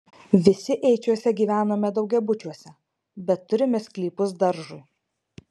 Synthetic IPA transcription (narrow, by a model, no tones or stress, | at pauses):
ʋʲɪsʲɪʔɛɪt͡ʃʲuɔsʲɛɡʲiːʋʲæːnoːmʲɛd̪ɒʊɡʲɛbʊt͡ʃʲuɔsʲɛ | bʲɛt̪ːʊɾʲɪmʲɛsklʲiːpʊsd̪ɐɾʒʊɪ